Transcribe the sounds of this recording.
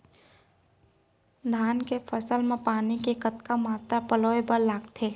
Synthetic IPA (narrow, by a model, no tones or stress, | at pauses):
d̪ʱaːnkepʰəsəlmẽpaːnikekət̪kamaːt̪ɾapəloːebəɾlaːɡt̪ʰeː